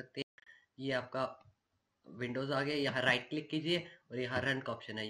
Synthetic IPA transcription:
ɐk̚t̪eɦɛ̃ | jeaːp̚ka | ʋɪ̃ɳɖoːzaːɡɐajɐɦãɾaɪʈ̚klɪkːiːd͡ʒieɔːɾjɐɦãɾɐ̃ɳɖkɔːpʃənɦɛj

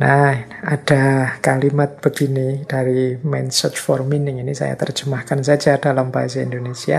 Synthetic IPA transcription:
naad̥a̤kalimat̪̚b̥əɡ̥inid̥aɾimɛnsɔt͡ʃfɔrminɪŋinisa̰ja̰t̪ər̥d͡ʒ̥əmahkansḁd͡ʒad̥alampa̰is̬aḭnd̪onesia̰

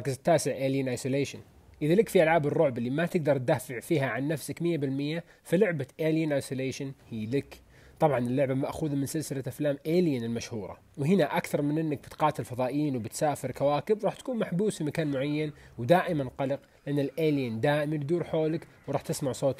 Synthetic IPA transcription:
kɪzɪt̪ːaːsɪʕʔeːljɪnʔajsuleːʃan | ʔɪðalɪkfiʔalʕaːbɨrˤːʊʕbɪlːimat̪ɪɡ̚d̪ɑɾˤt̪̚d̪aːfɪʕfiːhaʕanːafsakmɪjːabɪlmɪjːa | filʊʕbaʔeːljɪnʔajsoleːʃanhiːlɪk | t̪ˤɑbʕɑnɪlːʊʕbamaʔxuːðamɪnsɪlsɪlaʔaflaːmʔeːljɪnɪlmaʃhuːɾˤɑ̰ | wɦɪnaʔakθɑɾˤmɪnʔɪnːak̚b̥ɪt̪qɑːt̪ɪlfɑðˤɑːʔjiːnwbɪt̪saːfɪɾkawaːkɪbɾˤɑːħt̪ḁkuːnmaħbuːsfimakaːnmʊʕajːanwd̪aːʔɪmanqɑlɪqlɪʔanːɪlʔeːljɪnd̪aːʔɪmibd̪uːɾħoːlɪk | wɾˤɑːħt̪ɪsmaʕsˤoːt̪ˤ

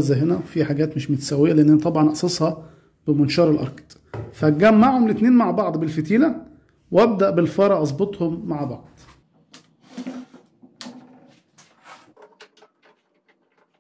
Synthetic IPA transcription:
zæɦenæwfiħaɡæːt̪mɪʃmet̪sæwːejːæleʔenːʔænæt̪ˤɑbʕɑnʔɑʔsˤɑsˤhɑ | b̥ɪmʊnʃɑːɾˤelʔɑ̰ɾˤkt̪ | fæɡːæmːaʕhomlɪt̪neːnmaʕbɑʕd̪ˤbelfet̪iːlæ | wæb̚d̪æʔbelfɑɾˤɑʔɑzˤbot̪ˤhomːaʕbɑʕd̪̥ˤ

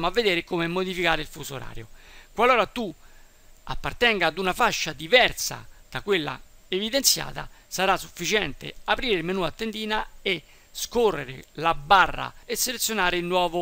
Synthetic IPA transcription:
moavːed̪ɛːɾekomemːod̪ifikaːɾeilfusuɾa̰ːɾjo̰kwaloːɾat̪u | a̰pːart̪ɛŋɡaːd̪unafaʃːad̪ivɛrt̪sa̰d̪̥akwelːa̰evid̪ent̪sja̰ːt̪a̰saɾasːufːit͡ʃɛnt̪ḛapɾiːɾemenuːat̪ːend̪iːnae | skorːeɾḛlabːarːa̰esːelet̪sjonaːɾɪilnwɔːvʊ

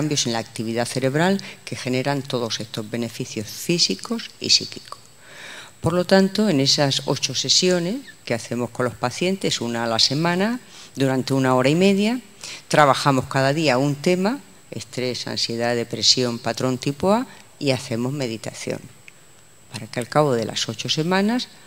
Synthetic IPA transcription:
ambjo̞se̞nlaːk̚t̪iβiðaθe̞ɾe̞βɾalke̞xe̞ne̞ɾant̪o̞ð̞o̞se̞st̪o̞zβe̞ne̞fiθjo̞sfisiko̞sḭsḭki̥ko̥ | po̞ɾlo̞t̪ant̪oe̞ne̞saso̞̰t͡ʃo̞se̞sjo̞ne̞skeaθe̞mo̞hko̞nlohpaθje̞nt̪e̞sunaːlase̞mãnad̪uɾant̪eunao̞ɾaime̞ðja | t̪ɾaβ̞axamo̞hkaðaðiaunt̪e̞ma | e̞̰st̪ɾe̞sa̰nsje̞ðaðe̞pɾe̞sjo̞mpat̪ɾo̞nt̪ipoa | iaθe̞mo̞zme̞ðit̪aθjo̞̰ŋ | paɾakealkaβoðe̞la̰so̞t͡ʃo̞se̞mãnas

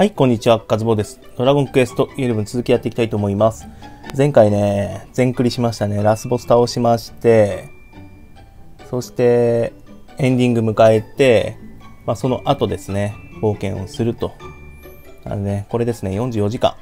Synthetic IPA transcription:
haikõ̞ɲ̟ːit͡ɕiβakazɨbo̞ːd̪e̞sɨ̥d̪̥o̞ɾaɡõ̞ŋkɯesɨ̥t̪o̞ʔieɾɯ̟bɯ̟nt͡sɨzɨkʲijat̪ːe̞ikʲi̥t̪ait̪oːmo̞imasɨ̥zẽ̞ŋkaine̞d͡zẽ̞ŋkɯ̟ɾʲiɕimaɕi̥t̪ane̞ɾasɨbo̞sɨ̥t̪ao̞ɕimaɕi̥t̪e̞ | so̞ɕi̥t̪e̞ | ẽ̞ɲd̪ʲĩŋɡɯ̟mɯ̟kae̞t̪e̞maso̞no̞ʔat̪o̞d̪e̞sɨne̞bo̞ːkẽ̞ɰ̃o̞̰sɨɾɯ̟t̪o̞ | a̰ɾne̞ko̞ɾe̞d̪e̞sɨne̞jõ̞ɲ̟d͡ʑɨːjo̞ʑikã̰ŋ

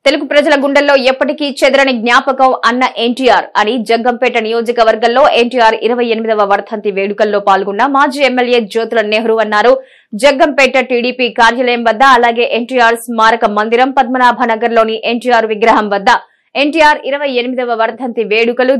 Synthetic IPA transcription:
t̪eluɡupɾɐd͡ʒɐlɐɡuɳɖɐlːo̞ːɛpːɐʈikit͡ʃɛd̪ɐɾɐniɡnjaːpɐkɐmɐnːɐʔeɳʈiːjaːɾɐnid͡ʒɐɡːɐmpɛːʈɐnijo̞ːd͡ʒɐkɐʋɐɾɡɐllo̞ːʔeɳʈiːjaːɾḭɾɐʋɐjenimid̪ɐʋɐʋɐɾt̪ʰɐnt̪iʋeːɽukɐlːo̞ːpaːlɡunːɐmaːd͡ʒiːemːelje̞ːd͡ʒoːt̪ulɐneːɦɐɾuɐnːaːɾu | d͡ʒɐɡːɐmpɛːʈːɐʈiːɽiːpikaːɾjɐlɐjɐmʋɐd̪ːɐːlaːɡe̞ːʔeɳʈiːjaːɾsmaːɾɐkɐmɐnd̪iɾɐmpɐd̪̚mɐnaːbʱɐnɐɡɐɾlo̞ːniʔeɳʈiːjaːɾʋiɡɾɐɦɐmʋɐd̪ːɐ | e̞ɳʈiːjaːɾiɾɐʋɐjenimid̪ɐʋɐʋɐɾt̪ʰɐnt̪iʋeːɽukɐlu

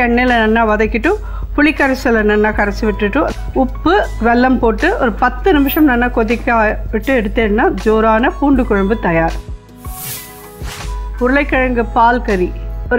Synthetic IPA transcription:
ɛɳːɛlɐnɐnːaːʋɐðɐkːɪʈːɯ̃ | pʊɭɪkːɐɾɐsɐlɐnɐnːaːkɐɾɐsɯʋɪʈːɯʈːɯ̃ | ʊpːɯʋɛlːɐmpoːʈːɯʔɔɾɯpɐt̪ːɯnɪmɪʂɐmnɐnːakɔðɪkːaːʋɪʈːɯɛɽɯt̪ːeːnːaːd͡ʒoːɾaːnɐpuːɳɖɯkʊɻɐmbɯt̪ɐjaːɾ | pʊɾɯlɐɪkːɐɻɐŋɡɯpaːlkɐɾiɔ

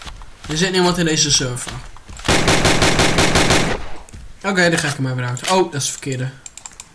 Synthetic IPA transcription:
dəzɪtnimɔ̃ntɪndejzəsøfə | oːkejdɔχaɪkəmɛjʋəɾawtəowdɔtɪsfə̥kɪdə

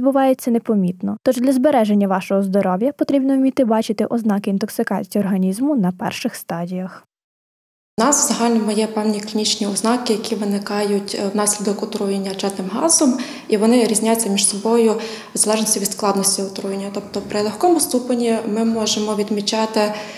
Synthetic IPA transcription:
d̪bʊʋɑjet͡sʲːɐnepɔmʲit̪nɔt̪ɔʒd̪ʲlʲɐzbeɾɛʒenʲːɐʋɑʃɔɦɔzd̪ɔɾɔwjɐpɔt̪ɾʲibnɔwmʲit̪ɪbɑt͡ʃɪt̪ɪʔɔznɑkɪint̪ɔksɪkɑt͡sʲːɔrɦɐnʲizmʊnɐpɛ̰rʃɪxst̪ɑdʲijɐx | nɑsʋz̥ɐɦɑlʲnɔmʊjɛpɛwnʲikʲlʲinʲit͡ʃnʲiɔznɑkɪjɐkʲiʋɪnɪkɑjʊtʲwnɑsʲlʲid̪ɔkʊt̪ɾujenʲːɐt͡ʃɛt̪nɪmɦɑ̰zɔm | iʋɔnɪɾʲizʲnʲajʊt͡sʲːɐmʲiʃsɔbɔjʊ | zɐlˠɛʒnɔsʲtʲiʋʲid̪sklˠɑd̪nɔsʲtʲiʊt̪ɾujenʲːɐt̪ɔp̚t̪ɔpɾɪlˠexkɔmʊst̪upɐnʲimɪmɔʒemɔʋʲid̪mʲit͡ʃɑt̪ɪ

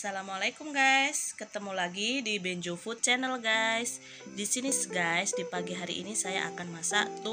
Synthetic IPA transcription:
salamwalakumɡajskət̪əmulaɡidibeɲd͡ʒofut̪̚t͡ʃɛnəlɡajs | disinisɡajsdipaɡiɦaɾiʔinisaja̰ʔa̰kanmasa̰t̪u

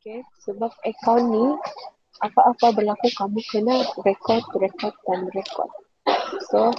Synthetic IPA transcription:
okesəbap̚ɛkanːi | ʔapaʔapabərlakukamũkənaɾɛkɔt̚ɾɛkɔt̚dãnɾɛkɔ̰d̚ | so

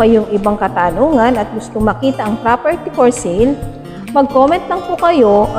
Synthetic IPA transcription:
ɐjoŋɪbaŋkɐt̪aːnoːŋɐnɐt̪̚ɡʊst̪oŋmɐkiːt̪ɐʔɐŋpɾapɛɹt̪ifoɹsil | mɐɡ̚koːmɛnt̪lɐŋpʊkɐjo̞

